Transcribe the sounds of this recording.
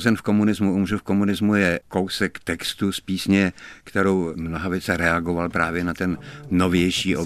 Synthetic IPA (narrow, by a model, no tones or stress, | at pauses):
zɛnfko̞munɪzmuʔumrufko̞munɪzmujɛko̞wsɛkt̪ɛkst̪uspiːsɲɛkt̪ɛɾowmnoɦavjɛt͡sɛɾɛaɡovalpɾaːvjɛnat̪ɛnnovjɛjʃiːʔo